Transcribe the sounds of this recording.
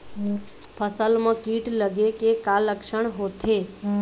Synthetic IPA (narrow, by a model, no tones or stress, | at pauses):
pʰəsəlmãkiʈləɡekekaləkʃəɳɦot̪ʰe